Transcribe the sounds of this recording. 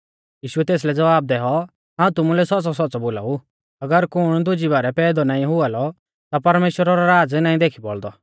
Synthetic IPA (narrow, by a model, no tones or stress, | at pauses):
jiːʃʊɛt̪eːs̬lɛd͡zɐʋaːb̚d̪ɛɦɔ | ɦaːũt̪ʊmulɛsɔt͡sɔsɔtːt͡sɔbola̰ːu | ɐɡəɾkʊɽ̃d̪ʊd͡ʒibaːɾɛpɛːd̪ɔnaːĩɦʊalɔ | t̪apɐɾmeːʃwəɾaɾaɾaːd͡znaːĩd̪eːkʰibɔɭd̪ɔ